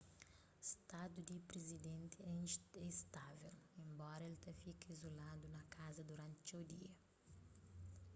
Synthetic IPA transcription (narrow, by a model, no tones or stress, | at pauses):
st̪ad̪ud̪ipɾezid̪ɛ̃nt̪ɪɛɛist̪avelẽmbɔɾɐelt̪ɐfikɐizolad̪unɐkazɐd̪uɾãnt̪t͡ʃewd̪iɐ